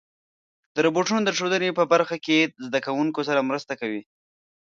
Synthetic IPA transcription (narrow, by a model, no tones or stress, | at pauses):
d̪̥əɾoboʈunod̪əʈ͡ʂod̪ənepəbaɾxakezd̪akawuŋkosaɾamɾəst̪akawi